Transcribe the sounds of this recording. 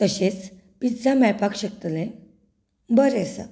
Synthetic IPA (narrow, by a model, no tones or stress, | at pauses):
t̪əɕet͡s | pid͡zamɛɭpakɕək̚t̪lẽ | bəɾesa̰